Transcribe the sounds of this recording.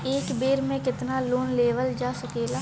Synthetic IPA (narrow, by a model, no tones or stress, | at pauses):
eːkbeːɾmẽkɪt̪naloːnleːʋəld͡ʒaːsəkeːla